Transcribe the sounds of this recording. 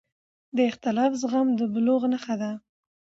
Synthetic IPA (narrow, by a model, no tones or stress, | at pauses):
d̪əɪxt̪ɪlɑfzɣamd̪əbloɣnaxad̪a